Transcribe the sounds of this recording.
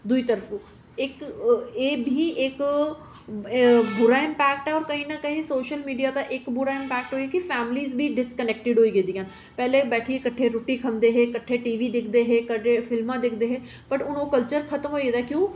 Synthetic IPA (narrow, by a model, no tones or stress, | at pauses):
d̪ʊiːt̪əɾəfũ | ɪkeːbʱiːʔek | bʊɾaɪ̃mpɛːk̚ʈɦɛːɔːɾkɐɦĩnɐkɐɦĩsoːʃəlmiːɖijaːd̪aʔɪkbʊɾaːɪ̃mpɛːk̚ʈɦoːiakifɛːmɪliːzbʱiːɖɪskəneːk̚ʈɪɖɦoːiːɡed̪iːɦən | pɛːlebɛːʈʰiekəʈʰːeɾoʈikʰə̃nd̪eɦeːkəʈʰːeʈiːʋiːd̪ɪkʰd̪eɦeːkəʈefʰɪlmãːd̪ɪkʰd̪eːɦeː | pəʈʊnõːkəlt͡ʃəɾkʰɐt̪əmɦoːiɡeːd̪akjũː